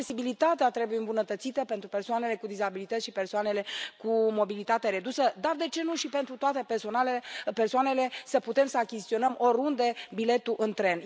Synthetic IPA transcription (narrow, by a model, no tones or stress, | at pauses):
esibilit̪at̪eat̪ɾe̞bujeɨmbunət̪ət̪sit̪əpent̪ɾupersoane̞le̞kud̪izabilit̪ət̪ʲʃipe̞rsoane̞le̞kumo̞bilit̪at̪eɾe̞d̪usəd̪ard̪e̞t͡ʃe̞nuʃipe̞nt̪ɾut̪oat̪e̞perso̞naleepersoane̞le̞səput̪e̞msəakʲist̪io̞nəmo̞ɾund̪ebile̞t̪uʔɨnt̪ɾe̞n